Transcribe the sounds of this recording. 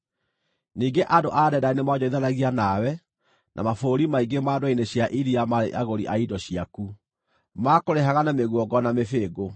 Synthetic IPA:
niːŋɡeʔadoʔaːdɛdainemad͡ʑɔiðaɾaɣianawɛ | nʔa̰mafoɾimaiɡemaːdoineɕjaʔiɾiamaɾḛʔaɣoɾiʔaidɔɕiaku | makoɾeɦaɣanameɣwɔɡɔnamefeːɡo

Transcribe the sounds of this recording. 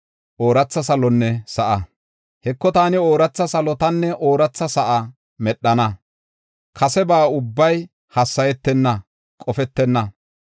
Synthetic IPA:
ʔoːɾɐt͡sːɐsɐlɔnːɛsɐʔɐ | hɛkːɔt̪aːnɪoːɾɐt͡sːɐsɐlɔt̪ɐnːɛʔoːɾɐt͡sːɐsɐʔɐ | mɛɗːɐnɐ | kʰɐsɛbaːʊbːɐj | hɐsːɐjɛt̪ːɛnːɐ | kʼɔfɛt̪ːɛnːɐ

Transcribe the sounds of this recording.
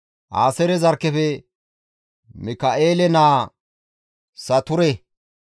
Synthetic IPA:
ʔa̰ːsɛɾɛzɐɾkːɛfɛ | mɪkɐʔeːlɛnaː | sɐt̪ʊɾɛ

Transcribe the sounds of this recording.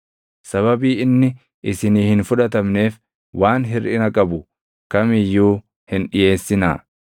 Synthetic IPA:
sɐβɐbiːɪnːɪ | ʔɪsɪniːhɪnfʊᶑɐt̪̬ɐmne̞ːf | waːnɦɪɾʔɪnɐkʼɐbʊ | kɐmɪjːuː | hɪnᶑɪje̞ːsːɪna̰ː

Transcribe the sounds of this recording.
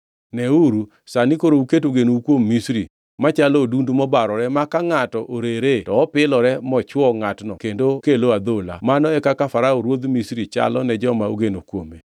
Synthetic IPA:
nɛuɾu | sanikoɾouket̬uɡenoukwomːisɾi | mat͡ʃalɔdundumɔbaɾɔɾɛmakaŋatɔʔoɾeɾetɔːpɪlɔɾɛmɔt͡ʃwɔŋatnɔkendokeload̪ola̰manɔɛkakafaɾaoɾwod̪misɾit͡ʃa̰lɔnɛd͡ʒɔmauɡenokwome

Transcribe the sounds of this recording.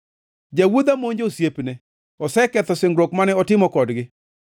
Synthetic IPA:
d͡ʒawud̪amoɲd͡ʒosjepne | ɔsɛkɛt̪ɔsɪŋɡɾokmanɛɔtɪmɔkɔdɡɪ

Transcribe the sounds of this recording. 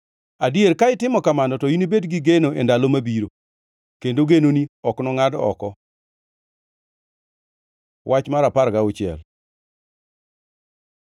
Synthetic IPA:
adieɾkaɪtɪmɔkamanɔtɔjinibedɡiɡenoendalomabiɾo | kendoɡenoniɔknɔŋadɔ̰kɔ | wʔat͡ʃmaɾapaɾɡaʊt͡ʃɪɛ̰l

